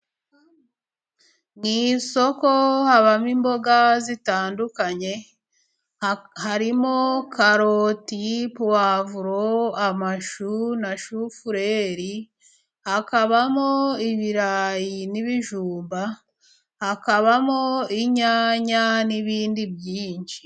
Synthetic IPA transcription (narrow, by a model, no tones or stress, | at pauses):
ŋiːnso̞kohaβamimbo̞ɡazitaːndukaɲe̞ | haɾimo̞kʰaɾotipuwavuɾoamaʃunaʃufuɾeɾi | hakaβamoiβiɾaːjiniβiʒuːmba | hakaβamoiɲaːɲaniβiːndibjiːɲʃi